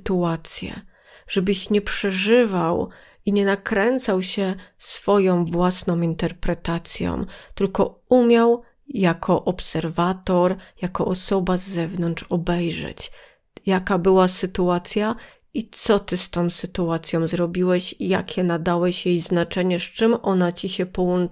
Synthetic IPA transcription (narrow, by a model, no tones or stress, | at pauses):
t̪uat̪sʲjɛ̰ | ʐɛbɘɕɲɛpʂɛʐɘvaw | iɲɛnakɾɛnt̪sawɕɛsfɔjɔ̃w̃vwasnɔ̃w̃mint̪ɛɾpɾɛt̪at̪sʲjɔ̰̃mt̪ɘlkɔumʲjaw | jakʰɔʔɔpsɛɾvat̪ɔɾjakɔʔɔsɔbazɛvnɔnt͡ʂɔbɛjʐɛ̰t͡ɕ | jakabɘwasɘt̪uat̪sʲja | it̪sɔt̪ɘst̪ɔ̃w̃sɘt̪uat̪sʲjɔ̃wzɾɔbʲiwɛɕija̰kʲʰɛnad̪awɛɕjejznat͡ʂɛɲɛʂt͡ʂɘmɔnat͡ɕiɕɛpɔwɔnt͡ʂ